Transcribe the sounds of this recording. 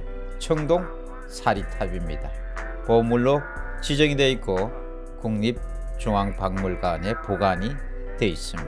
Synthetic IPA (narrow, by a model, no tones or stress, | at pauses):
t͡ɕʰʌŋdoŋ | sʰaɾitʰabimɲḭda | pomuɭːo | t͡ɕid͡ʑʌŋide̞ik͈o | kuŋɲip̚ | t͡ɕuŋaŋpaŋmuɭɡane̞poɡaɲi | twe̞is͈ɯmɲi